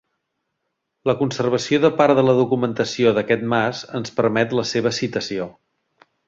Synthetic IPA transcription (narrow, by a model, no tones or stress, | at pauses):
ləkunsərβ̞əsioðəpaɾðələðukumənt̪əsioðəkɛt̪̚mazənspəɾmɛt̪ləseβ̞əsit̪əsio